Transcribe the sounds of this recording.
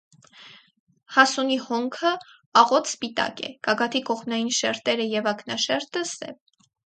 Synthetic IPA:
hɑsunihɔŋkʰə | ɑʁɔt̪ʰspit̪ɑ̰kɛ̰ɡ̥ɑɡɑt̪ʰikɔχmnɑjinʃɛɾt̪ɛɾəjɛvɑknɑʃɛɾt̪əsɛ̰v

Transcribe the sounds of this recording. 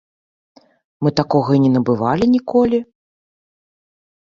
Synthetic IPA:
mɨt̪akɔɣɐinʲɛnɐbɨvalʲinʲikɔlʲi

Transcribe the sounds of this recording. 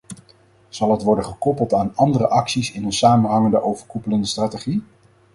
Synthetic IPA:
z̥ɑlˠɦətʋɔɹdəχəkɔpəlˠtaːnɑndərəʔɑksisɪnɦənsaːmənɦɑŋəndəʔowvəɹkupələndəstraːteχi

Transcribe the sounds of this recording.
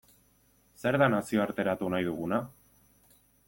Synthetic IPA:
se̞ɾðanasio̞aɾt̪e̞ɾat̪unajðuɣuna

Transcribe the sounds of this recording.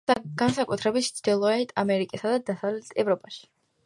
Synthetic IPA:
ɡ̥ansakʼut̪ʰɾɛbit̪t̪t͡ʃ̪ʰd̪ilˠɔɛt̪ʰʼamɛɾikʼisad̪ad̪asavlɛt̪ʰɛvɾɔpʼaʃi̥

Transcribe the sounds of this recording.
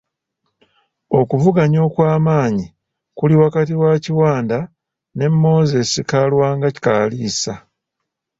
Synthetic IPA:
o̞kuvuɡaɲo̞ːkwaːmaːɲi | kuliwakatiwaciwaːnda | ne̞mːo̞ːze̞sikalwaːŋɡaci̥kaːliːsa

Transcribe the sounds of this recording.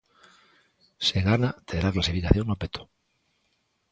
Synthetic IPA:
seɣanat̪eðɾaklasifikaθjo̞ŋnopet̪o̥

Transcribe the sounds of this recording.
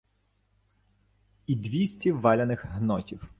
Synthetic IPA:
id̪ʋʲisʲtʲiʋɑlʲɐnɪxɦnɔtʲiw

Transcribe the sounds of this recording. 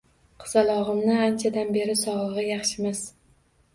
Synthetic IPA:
qʰɨ̥zalˠɒʁɨmnɪant͡ʃʰad̪anbe̞ɾɪsɒʁlˠɨʁɑjɑχʃɪmaz

